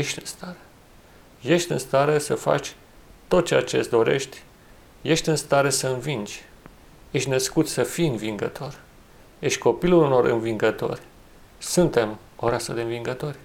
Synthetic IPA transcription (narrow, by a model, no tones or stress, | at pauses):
jeʃt̪ʲɨnst̪aɾe̥ | je̞ʃt̪ʲɨnst̪aɾesəfa̰t͡ʃʲ | t̪o̞t̪̚t͡ʃeat͡ʃe̞sd̪o̞ɾe̞̰ʃt̪ʲ | je̞ʃt̪ʲɨnst̪aɾe̞səɨnvind͡ʒʲ | jeʃt̪ʲnəskut̪sʲsəfiɨnviŋɡə̰t̪ʰo̞r | jeʃt̪̚ʲko̞piluluno̞ɾʔɨ̰nviŋɡət̪o̞̰rʲ | sunt̪e̞m | o̞ɾasəd̪e̞ɨnviŋɡət̪o̞rʲ